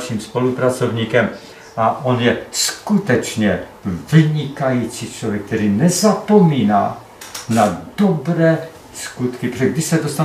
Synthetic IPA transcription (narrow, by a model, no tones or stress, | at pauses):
ʃimspo̞lupɾat͡so̞vɲiːkɛm | ʔaʔonjɛskut̪ɛt͡ʃɲɛ | vɪɲɪkajit͡sit͡ʃlovjɛk̚t̪ɛɾiːnɛzapo̞miːnaː | nadobɾɛː | skut̪kɪpɾoɛɡ̚dɪʃsɛdost̪a